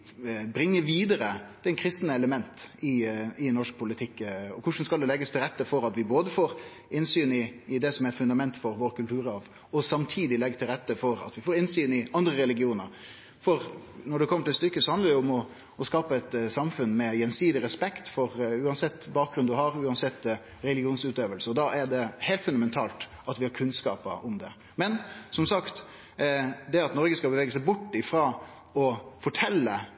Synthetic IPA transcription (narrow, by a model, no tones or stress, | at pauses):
bɾɪŋːəʋiːd̪əɾəd̪̥ɛkʰɾɪst̪nəɛləmɛnt̪ɪɪnɔʂk̚pʰʊlɪt̪ʰɪkːɔkʰʊʂn̩skɑld̪ɛlɛɡːəst̪ʰɪlɾɛt̪ːəfɔɾɑt̪ʋɪboːd̪əfoːɾ | ɪnsyːnɪːd̪ɛsɔmɛɾfʉnd̪ɑmɛnt̪fɔɾʋoːɾkʰʉlt̪ʉːɾɑʋ | ɔsɑmt̪ʰiːd̪ɪlɛɡət̪ʰɪlɾɛt̪ːəfɔɾɑ̰t̪ʋɪfoːɾɪnsyːnɪʔɑnd̪ɾəɾɛlɪɡɪuːnəɾ | fɔɾnɔɖɛkʰɔmːəʈɪlst̪ʏkːəsɔhɑnd̪əɾɖɛʊʊmɔ | ɔskɑːpəɛt̪sɑmfʉnmɛjɛnsiːd̪ɪɾɛspɛkt̪fɔɾʉːɑnsɛt̪ːbɑːk̚ɡɾʉnd̪ʉɦɑɾʉːɑnsɛt̪ː | ɾɛlɪɡɪuːnsʉːt̪øːʋəlsəɔd̪ɑʔæɖɛheːlt̪fʉnd̪ɑmɛnt̪ʰɑ̰ːlt̪ʔɑt̪ʋɪhɑɾkʰʉnskɑ̰ːpə̰ʊmd̪ɛ | mɛnsɔmsɑkt̪ | d̪ɛɑt̪nɔɾɡəskɑbəʋeːɡəsæɪbʊʈːɪfɾɑ | ɔfɔʈʰɛlːə